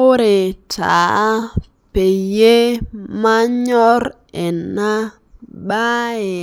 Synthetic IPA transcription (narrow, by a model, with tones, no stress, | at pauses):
o˦ɾe˨ta˨˦ | pe˨je˦ma˦ɲɔ˦ɾ | ɛ˨nːa˦ | ba˦e˨